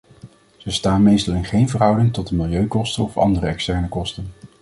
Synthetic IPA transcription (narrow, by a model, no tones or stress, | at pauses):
z̥əstaːnmejstɑlˠɪnχejnvəɹɦʌwdɪŋtɔt̚dəmɪlˠjøɥkɔstənɔfɑ̰ndərəɛkstɛɹnəkɔstən